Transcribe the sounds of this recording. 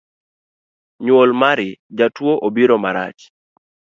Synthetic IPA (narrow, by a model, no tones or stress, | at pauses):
ɲwolmaɾɪd͡ʒatwoʔobiɾomaɾa̰t͡ʃ